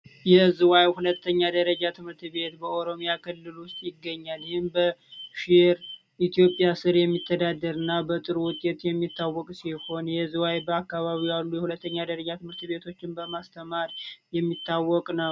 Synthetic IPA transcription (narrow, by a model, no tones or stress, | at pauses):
jɛzɨwajhulət̪ːəɲːad̪əɾəd͡ʒat̪ʰɨmɨɾt̪ʰβe̞t̪bəoɾo̞mijakʰɨlːɨlwʊst̪ʼjɪɡːəɲːaljɪhɪmbəʃɪɾ | ʔit̪ijo̞pʼjasɨɾjɛmːit̪ʰːəd̪ad̪ːəɾɨnːabət̪ʼɨɾwʊt̪ʼet̪jɛmːit̪ːawːɔkʼsiho̞njɛzuwajbəakːaβaβijalːujɛhulət̪ːəɲːad̪əɾəd͡ʒat̪ʰɨmɨɾt̪ɨbe̞t̪ʰo̞t͡ʃːɪnbəmast̪ʰəmaɾjɛmːit̪ːawːɔkʼnəw